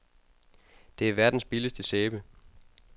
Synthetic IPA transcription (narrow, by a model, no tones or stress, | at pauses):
d̥e̝æɐʋæɐd̥n̩sb̥iləsd̥əseːb̥ə